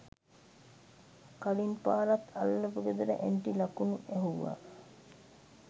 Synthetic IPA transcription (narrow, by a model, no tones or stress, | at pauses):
kalinpaːlat̪ʰalːəpəɡəd̪əɾə̰ʔeɳʈilakunueɦuʋːa̰